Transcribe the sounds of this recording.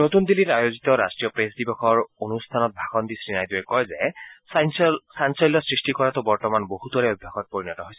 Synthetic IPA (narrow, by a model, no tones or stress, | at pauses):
not̪und̪ilitajozit̪ɔɹa̰stɹijɔpɹesd̪ibɔxɔɹonust̪ʰanɔt̚bʱaɡɔnd̪isɹinajduɛkɔjzɛ | sansɔjlːɔsɹisʈikɔɹat̪ʊbɔɹtɔmanbohut̪wɔɹɛobʱjaxɔt̚poɹinɔtɔɦojsɛ